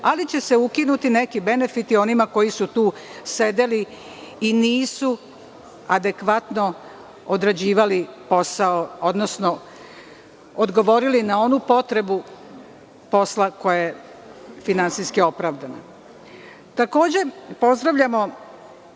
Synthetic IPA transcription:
alit͡ɕe̞se̞ukinut̪ine̞kibe̞ne̞fit̪io̞nimako̞jisut̪uːse̞d̪e̞liː | niːsu | ad̪e̞kʋat̪no̞ | od̪ɾad͡ʑiːʋalipo̞saoo̞d̪nosno | od̪ɡo̞ʋo̞ɾilinao̞nupo̞t̪ɾe̞bu | po̞slako̞jaje | finansiskio̞pɾaʋd̪ana̰ | t̪ako̞ːd͡ʑe̞po̞zd̪ɾaʋʎʲamo̞

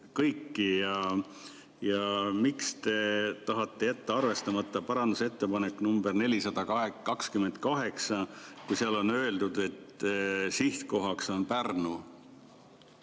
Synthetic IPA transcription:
kɤjkːijɑ | jɑmikst̪e̞t̪ɑɦɑt̪ːˑe̞jæt̪ːeɑrve̞st̪ɑmɑt̪ˑːɑpɑɾɑnd̪use̞t̪ːe̞pɑne̞kːnumberne̞lʲisɑd̪̥ɑkɑɦekɑkskyme̞nd̪̥̚kɑɦe̞ksɑkujsiɑlo̞nø̞eld̪ud̪̥e̞t̪ːsiht̪ko̞ɦɑkso̞npærnu

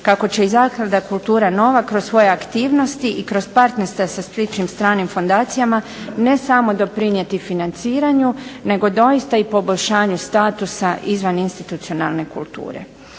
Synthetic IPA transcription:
kako̞t͡ɕe̞izaːkad̪akulˠt̪uːɾano̞ʋakɾo̞sʋo̞je̞akt̪iːʋno̞st̪iʔikɾo̞spaɾt̪neɾst̪ʋasaspɾit͡ʃnimst̪ɾaːnimfo̞nd̪aːt̪sijama | ne̞samo̞d̪o̞pɾinje̞t̪ifinant̪siːɾaɲune̞ɡo̞d̪o̞jist̪aipo̞boʎʲʃaːɲust̪aːt̪usaʔizʋaninst̪it̪ut̪sio̞na̰lˠne̞kṵlt̪ṵːɾe̞̰

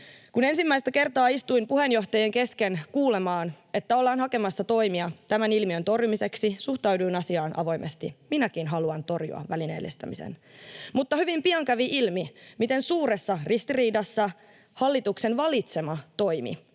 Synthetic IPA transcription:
kune̞nsimːæist̪æke̞rt̪ɑːist̪uimpuhe̞njo̞ht̪ɑjeŋke̞skenkuːlemɑːn | e̞t̪ːæo̞lːɑːnɦɑke̞mɑsːɑt̪o̞jmiɑt̪æmænilmiønt̪o̞rjumise̞ksisuht̪ɑwduinɑsiɑːnʔɑ̰ʋo̞jmʔest̪ḭminækinɦɑluɑnt̪o̞rjṵɑ̰ʋælinḛːlːest̪ɑ̰mḭsḛnmut̪ːɑhyʋimpiɑŋkæʋiʔilmimit̪e̞nsuːɾesːɑrist̪iriːdɑsːɑ | hɑlːit̪ukse̞nʋɑlit̪se̞mɑt̪o̞imḭ

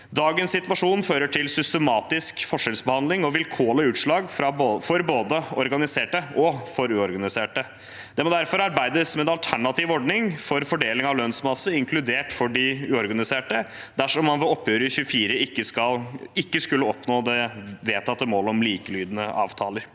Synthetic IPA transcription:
d̪ɑːɡənssɪt̪ʋɑʂuːnføːɾəʈʰɪlsʏst̪əmɑːt̪ɪskfɔʂɛlsbəhɑnd̪lɪŋɔʋɪlkʰoːləʉːt̪ʂɭɑːɡfɾɑfɔɾboːd̪əɔɾɡɑnɪseːʈəɔfɔɾʉːɔɾɡɑnɪseːʈə | d̪̥ɛmɔd̪æɾfɔɾɑɾbæɪd̪əsmɛɛnɑlt̪ʰæɳɑt̪ʰiːʋɔɖɳɪŋfɔɾfɔɖeːlɪŋɑʋlœnsmɑsːəɪŋkʰlʉd̪eːʈfɔɖɪʉːɔɾɡɑnɪseːʈə | d̪æʂɔmːɑnʋɛɔpːjøːɾəɪçʉːəfiːɾəɪkːəskɑlɪkːəskʉlːəɔpnoːd̪ɛʋeːt̪ʰɑt̪ːəmoːlɔmliːkəlyːd̪ənəʔɑ̰ːʋt̪ʰɑːləɾ

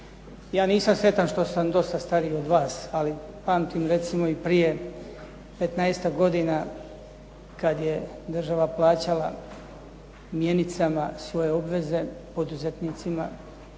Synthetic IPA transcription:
jaːniːsamsɾe̞t̪anʃt̪o̞samd̪o̞st̪ast̪aɾio̞d̪ʋaːsali | paːmt̪imɾe̞t̪simo̞ipɾije̞ | pe̞t̪naest̪aɡo̞d̪ina | kad̪je̞d̪r̩ʒaʋaplˠaːt͡ɕala̰ | mje̞nit̪samasʋo̞je̞o̞bʋe̞ze̞po̞d̪uze̞t̪niːt̪sima̰

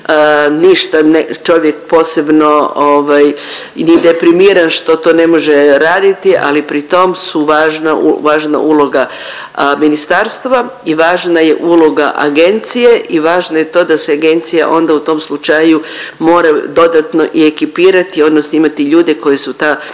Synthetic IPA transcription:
niʃt̪anet͡ʃo̞ʋjek̚po̞ːse̞bno̞oʋaj | nid̪e̞pɾimiːɾanʃt̪o̞t̪o̞ne̞mo̞ʒeɾaːd̪it̪iʔa̰lipɾit̪o̞msuʋaːʒnaṵʋaːʒna̰ʔulo̞ɡa | minist̪aːɾst̪ʋaiʋaːʒnajḛʔulo̞ɡaʔa̰ɡe̞nt̪sije̞ʔiʋaːʒnajet̪o̞ːd̪aseaɡe̞nt̪sija̰ʔo̞nd̪aut̪o̞mslˠut͡ʃajumo̞ːɾad̪o̞d̪at̪no̞ʔie̞kipiːɾat̪io̞d̪nosnoimat̪iʎuːd̪e̞ko̞jisut̪a

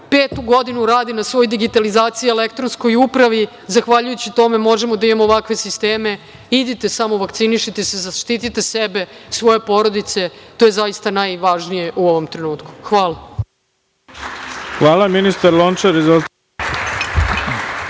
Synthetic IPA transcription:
peːt̪uɡo̞d̪inuɾaːd̪inasʋo̞ːjd̪iɡit̪alizaːt̪sijielekt̪ɾo̞nsko̞jupɾaʋi | zaxʋaʎujut͡ɕit̪o̞me̞mo̞ʒemod̪aimemoːʋakʋe̞sist̪eːme̞ | id̪it̪e̞samo̞ʋakt̪siniʃit̪esezaʃt̪it̪it̪e̞sebe̞sʋo̞je̞po̞ɾo̞d̪it̪se̞t̪oːje̞zaist̪anajʋaʒnije̞ʔuo̞ʋo̞mt̪ɾe̞nuːt̪ku̥xʋaːlˠa | xʋaːlaminist̪aɾlont͡ʃaɾizo

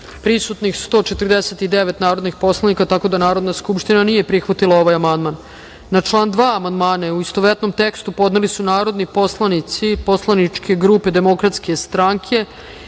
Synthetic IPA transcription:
pɾisut̪nixst̪o̞ːt͡ʃet̪ərd̪eset̪id̪eʋet̪naːɾo̞d̪nixpo̞slˠanikat̪ako̞d̪anaːɾo̞d̪naskupʃt̪inanije̞pɾixʋat̪ilˠao̞ʋajamand̪manː | at͡ʂlˠaːnd̪ʋaːamand̪maːnauist̪oʋɾet̪no̞mt̪ekst̪upo̞d̪nelisunaːɾo̞d̪nipo̞slˠanit̪sipo̞slˠanit͡ʂkʰe̞ɡɾuːpe̞d̪e̞mo̞kɾat̪ske̞st̪ɾaŋkʰe̞

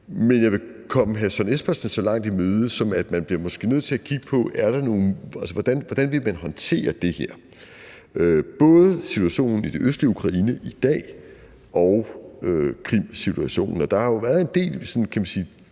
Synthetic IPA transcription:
menjɑ̈ɪʋe̝ | kʰɒ̽mɦæsɒnesb̥ɐsn̩sɒ̽lɑ̈ŋ̰d̥imøːð̞ˠəsɒ̽mæd̥mænb̥liɐmɒ̽sɡ̥e̝̰ːnøð̰ˠt͡se̝ækʰiɡ̥əpʰɒ̽æɐɾ̥ɑ̈no̝ːn̩ælsəʋɒd̥ænʋɒd̥ænʋe̝lmænɦɒ̽nt͡sʰe̝̰ːɐd̥e̝heɐ̰ | øb̥ɔ̽ːðˠəsit͡sʰuæɕo̝̰ːnn̩id̥e̝ʔøsd̥ʁiəukʰʁɑ̈iːnəʔid̥ɛ̰ː | ɒʊøkʰʁim̰sit͡sʰuæɕo̝̰ːnn̩ɒ̽d̥ɑ̈hɑjo̝ʋæɐðˠe̝nd̥e̝̰ːlsɒ̽nkʰæmænsiː

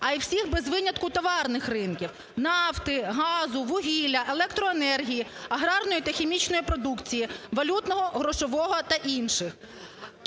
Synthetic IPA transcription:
ɐiwsʲixbezʋɪnʲɐt̪kʊt̪ɔʋɑrnɪxrɪnkʲiw | nɑwt̪ɪɦɑzʊʋʊɦʲilʲɐʔelˠɛk̚t̪ɾɔenɛrɦʲijiɐɦɾɑrnɔjit̪ɐxʲemʲit͡ʃnɔjipɾɔd̪ukt͡sʲijiʋɐlʲut̪nɔɦɔɦɾɔʃɔʋɔɦɔt̪ɐʔinʃɪx

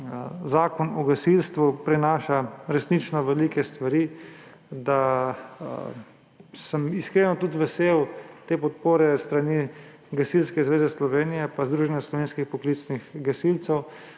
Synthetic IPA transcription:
zaːkɔnɔɡasilst̪ʋupɾɛnaːʃaɾɛsnit͡ʃnɔʋɛliːkɛst̪ʋaɾiː | d̪a | səmiskɾeːnɔt̪ut̪ʋɛseːwt̪eːpɔt̪̚poːɾɛst̪ɾani | ɡasilskɛzʋeːzɛslɔʋeːnijɛpazd̪ɾuʒɛnjaslɔʋeːnskixpɔklit̪snixɡasilt̪sɛw

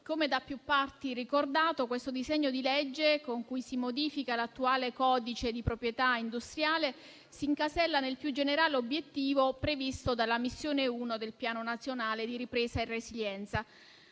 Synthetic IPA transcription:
komed̪apːjupːart̪irikord̪aːt̪okwest̪od̪izɛɲːod̪iled͡ʒːekoŋkujsimod̪iːfikalat̪ːuaːlekɔːd̪it͡ʃed̪ipɾopɾjet̪aind̪ust̪ɾjaːle | siŋkasɛlːanelpjud͡ʒeneɾaːleobjet̪ːiːvopɾevist̪od̪alamisːjoːneuːnod̪elpjaːnonat̪sjonaːled̪iɾipɾeːzaeresiʎɛnt̪sa

